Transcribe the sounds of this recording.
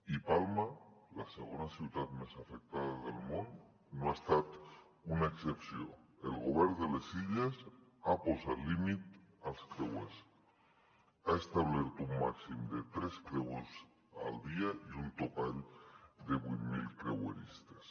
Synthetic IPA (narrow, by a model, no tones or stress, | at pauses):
ipalmalaseɣ̞onasjiuwt̪at̪mesafek̚t̪aðaðelmõn | noast̪at̪ | unaeksepsjo̰ḛlɣoβ̞eɾðelesiʎasaposalimit̪alskɾewḛs | aest̪aβleɾt̪ouŋma̰ksimd̪et̪ɾeskɾewes | a̰ld̪iaiunt̪okaʎd̪eβwinmḭlkɾḛwḛɾḭst̪ḁs